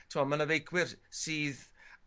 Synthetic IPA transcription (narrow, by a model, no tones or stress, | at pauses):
tʰɪmɔmanəvejɡʰwɪrsiːð